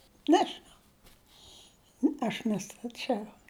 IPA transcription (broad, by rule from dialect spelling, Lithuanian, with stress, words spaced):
ˈnʲæːʒʲɪnɐʊ ˈɐʃ nʲɛstɐˈt͡ʃʲɛʊ